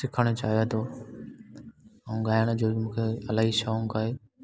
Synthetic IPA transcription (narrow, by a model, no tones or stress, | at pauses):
sɪkʰəɽ̃ot͡ɕaːɦijot̪ʰoː | əũːɠaːjəɽ̃d͡ʑoːmũːkʰeɐlaːɦiʃaːũkaːɦeː